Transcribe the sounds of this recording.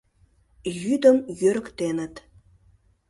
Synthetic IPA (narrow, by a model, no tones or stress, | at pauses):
jyd̪ə̆mjøɾə̆kt̪enə̆t̪